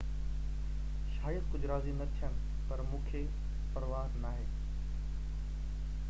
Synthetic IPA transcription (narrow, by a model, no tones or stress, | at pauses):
ʃaːjəd̪kʊd͡ʑʱʊɾaːzinɐt̪ʰijənɪ | pɐɾmũːkʰe | pɐɾʋaːɾnaːɦeː